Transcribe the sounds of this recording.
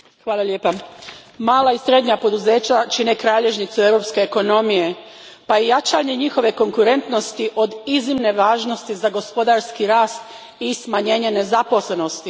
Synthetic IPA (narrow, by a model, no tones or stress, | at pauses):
xʋaːlˠaljeːpamaːlaisɾe̞d̪ɲapo̞d̪uzeːt͡ɕat͡ʃine̞kɾaːʎe̞ʒnit̪sue̞ʋɾo̞ːpske̞ːko̞no̞mije̞ | pajejat͡ʃaɲe̞ɲixo̞ʋe̞ko̞ŋkuɾe̞nt̪no̞st̪iʔo̞d̪izimne̞ʋaːʒno̞st̪izaɡo̞spo̞d̪aɾskiɾaːst̪ | ismaɲe̞ːɲe̞ne̞zapo̞sle̞no̞st̪i